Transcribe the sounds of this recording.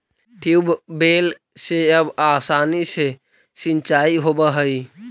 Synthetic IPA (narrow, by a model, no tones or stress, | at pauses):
ʈʰiubbel | seəbasanise | sint͡ʃaiɦobəɦəj